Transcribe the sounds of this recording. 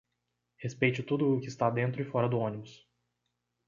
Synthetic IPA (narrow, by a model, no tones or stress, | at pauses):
hespejt͡ʃʊt̪ud̪ʊːkɪst̪ad̪ẽnt̪ɾʊɪfɔɾɐd̪ʊõnibʊs